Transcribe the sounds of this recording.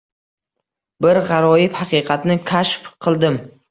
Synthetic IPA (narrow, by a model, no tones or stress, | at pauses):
bɪɾʁɑɾɒjɪphɑqʰɨjqʰɑt̪nɪkʲʰaʃfqʰɨlˠd̪ɪm